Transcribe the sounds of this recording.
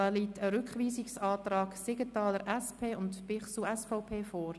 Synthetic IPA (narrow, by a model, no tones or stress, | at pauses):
əliːtəɾʏkχʋiːsɪksɑːtɾɑːksɪɡətɑːləɾʔɛspʰeːʊntpɪχsuɛsfaʊpʰeːfɔːɾ